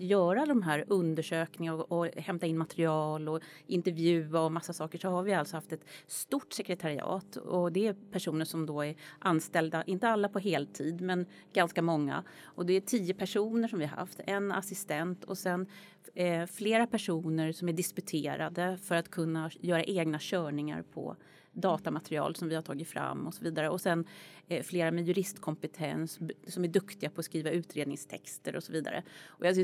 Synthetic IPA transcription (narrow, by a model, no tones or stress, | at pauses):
jœːɾad̪ɔmɦæːɾɵnd̪əʂøːknɪŋaɾɔɔhɛmt̪aɪnmat̪ɾɪɑːlɔʔɪnt̪ɛɾvjʉ̟ːaɔmasːasɑːkəʂɔhaɾvɪalt̪sɔhaft̪ɛt̪st̪uʈːsɛkɾɛt̪ʰaɾɪɑ̰ːt̪ɔd̪ɛæpʰæʂuːnəʂɔmd̪ɔæɾʔanst̪ɛld̪aʔɪnt̪əalːapʰɔɦeːlt̪ʰiːd̪mɛnɡanskamɔŋːa̰ | ʔɔd̪ɛæʈʰiːəpʰæʂuːnəʂɔmvɪhaɾha̰ft̪ɛna̰sɪst̪ɛnt̪ʰɔsɛn | fleːɾapʰæʂuːnəɾsɔmæɖɪskɵt̪ʰeːɾad̪əfœɾat̪kʰɵnːajœːɾa̰ʔeːɡnaɕœːɳɪŋa̰ɾpʰɔ̰ | d̪ɑːt̪amat̪ɾɪɑ̰ːlsɔmvɪhaʈʰɑːɡɪt̪fɾa̰mːɔsɔviːd̪aɾəɔsɛnfleːɾamɛjɵɾɪst̪kʰɔmpɛt̪ʰɛ̰nsːɔmæɖɵkt̪ɪɡapʰɔːskɾiːvaʉ̟ːt̪ɾeːd̪nɪŋst̪ʰɛkst̪əɾɔsɔviːd̪a̰ɾə̰ʔɔja